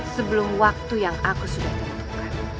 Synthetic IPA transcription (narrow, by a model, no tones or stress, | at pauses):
səbəlʊmwak̚t̪ujaŋakusudaht̪ət̪ukan